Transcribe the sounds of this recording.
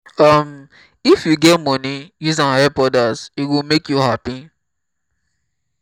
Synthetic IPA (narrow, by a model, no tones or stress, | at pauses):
ʌm | ifjuɡɛtmɔnijuzãnhɛpɔdazitwilmekjuɦapi